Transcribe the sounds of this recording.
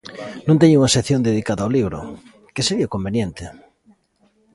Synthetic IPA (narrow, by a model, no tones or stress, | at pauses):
nõnt̪eɲuŋɐseθjõnd̪eðikaðaoliβ̞ɾʊ̰ | keseɾiakombenjẽnt̪ɪ